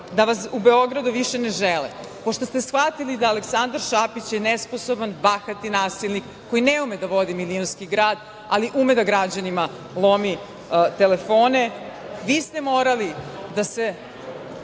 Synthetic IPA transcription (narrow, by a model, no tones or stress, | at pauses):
d̪aʋasube̞o̞ɡɾad̪uʋiʃeneʒelɛ | po̞ʃt̪o̞st̪esxʋat̪ilid̪aːleksand̪aɾʃapit͡ɕjenesposobanbaxat̪inaːsilʲˠnikːo̞jineumed̪aʋo̞d̪imilionskiɡɾaːd̪ | aliʔumed̪aɡɾad͡ʑanima | lˠomi | t̪elefoːne | ʋiːst̪e̞moːɾalid̪ase